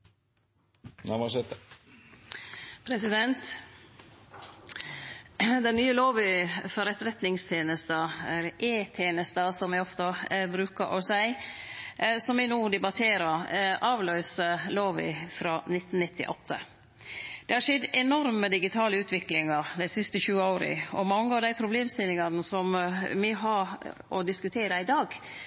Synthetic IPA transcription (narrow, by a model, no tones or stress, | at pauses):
næmɑsɛt̪ | pʰɾɛsɪd̪ɛnt̪ | d̪ɛnnyːəloːʋɪfɔɾɛt̪ɾɛt̪nɪŋst̪ʰeːnəst̪əɛlːəʔeːt̪ʰeːnəst̪ɑsɔmʋɪɔft̪əbɾʉːkəɾʔɔ̰sæɪ | sɔmʋɪnuːd̪ɛbɑt̪ʰeːɾəɾʔɑːʋlœʏsəloːʋɪ̰fɾɑːnɪt̪ːnnɪt̪ʰːɪ̰ʔɔt̪ʰːə̰ | d̪̥ɛhɑʂɛd̪ɛnɔɾməd̪ɪɡɪt̪ʰɑːləʉːt̪ʋɪklɪŋɑɾd̪æɪsɪst̪əçʉːəoʊɾə̰ɔ̰mɑŋːəɑʋd̪æɪpʰɾʊbleːmst̪ɪlːɪŋɑnəsɔmʋɪɦɑɾʔɔd̪ɪskʉt̪ʰeːɾəɪd̪ɑːɡ